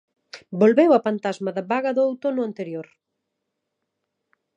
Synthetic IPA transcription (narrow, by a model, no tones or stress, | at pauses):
bolβewɐpant̪azmaðaβaɣɐðʊawt̪onʊant̪eɾjoɾ